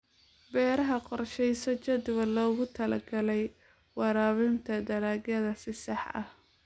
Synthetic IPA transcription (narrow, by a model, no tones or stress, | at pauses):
bɛːɾɐɦɐqɔrʃɛjsɔt͡ʃɐd̪βɐlɔːɣʊt̪ʰɐlɐ̰ɡɐlɛj | wɑɾaːβɪnt̪ʰɐd̪ɐɾaːɡɐðɐsɪsɑħʔɐ̰h